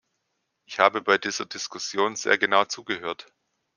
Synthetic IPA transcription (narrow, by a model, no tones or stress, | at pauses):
ʔɪçhaːbəbaɪdiːz̥ɐdɪskʊsjoːnz̥ḛːɐɡənaʊt͡suːɡəɦøːɐt